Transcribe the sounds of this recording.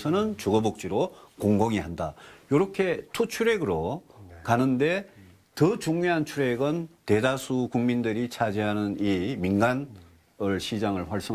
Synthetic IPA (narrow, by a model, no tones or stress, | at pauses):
sʰʌnɯnt͡ɕuɡʌbok̚t͡ɕ͈iɾokoŋɡoŋiɦandajoɾʌkʰe̞tʰut͡ɕʰuɾe̞ɡɯɾokanɯnde̞ | tɯt͡ɕuŋɲiɦant͡ɕʰuɾe̞ɡɯnte̞dasʰukuŋmindɯɾit͡ɕʰad͡ʑiɦanɯniminɡan | ɯɭɕʰid͡ʑaŋɯɭɸwʌɭs͈ʌ